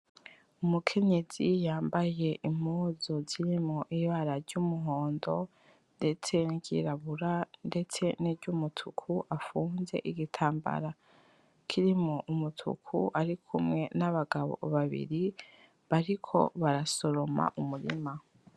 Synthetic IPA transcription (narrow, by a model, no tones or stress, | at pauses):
umukʰe̞ɲe̞z̥ijaːmbaje̞ʔim̥uːzoziɾimŋoʔiβaɾaɾɟumuɦo̞ːndo̞ | nde̞t͡se̞niɟḭɾaβuɾande̞t͡se̞niɾɟumutʰukʰuʔafuːnze̞̰ʔiɡitʰaːmba̰ɾa | kʰiɾimoʔumutʰṵkʰṵʔaɾikʰumŋe̞naβaɡaβo̰βaβḭɾi | βaɾikʰo̞̰βaɾaso̞ɾo̞ma̰ʔumuɾḭma